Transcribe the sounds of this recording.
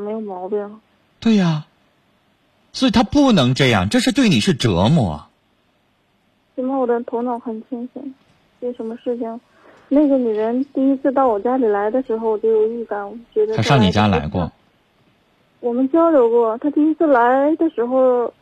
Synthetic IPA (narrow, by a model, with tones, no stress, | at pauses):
me˧˥ɪjo˨˩ʊmɑ˧˥ʊpɛ˥˩ŋ˩ | t̪we˥˩ɪɐ˩ | swɔ˧˥i˨˩t̪ʰa˥pu˥˩nɤ˧˥ŋʈ͡ʂɤ˥˧jɑ̰˥˩ŋʈ͡ʂɤ˥˧ʂɻ̩˥˧t̪we˥˩ɪni˨˩ʂɻ̩˥˩ʈ͡ʂɤ̰˧˥mɔ̰˥˩ɐ̰˩ | ʂə˧˩mə˥˩wɔ˨˩d̪ə˦t̪ʰo˧˥ʊnɑ˧˩˥ʊxə˨˩nt͡ɕʰi˥ŋɕɛ˧˩ŋ | te˥˩ʂə˧˥nmə˧ʂɻ̩˥˩t͡ɕʰi˨˩ŋ | na˥˩ɡə˩ny˨˩ɻə˧˥nt̪i˥˧i˥t͡sʰɹ̩˥˧t̪ɑ˥˩ʊwɔ˨˩t͡ɕja˥li˨˩la˧˥ɪd̪ə˧ʂɻ̩˧˥xo˧ʊwɔ˨˩t͡ɕjo˥ʊjo˨˩ʊy˥˩ka˧˥˩nwɔ˨˩mə˦nt͡ɕɥɛ˧˥d̪ə˧a˥ʂɑ˥˩˧ŋni˨˩t͡ɕja˥la̰˧˥ɪkwɔ̰˥˩ | wɔ˨˩mə˧˦nt͡ɕjɑ˥ʊljo˧˥ʊkwɔ˥˩˨t̪ʰa˥t̪i˥˧i˥t͡sʰɹ̩˥˩la˧˥ɪd̪ə˨ʂɻ̩˧˥xo˧ʊ